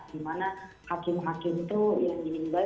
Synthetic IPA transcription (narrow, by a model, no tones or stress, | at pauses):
ɡimana | hakɪmɦakɪmt̪ujaŋiŋɪnba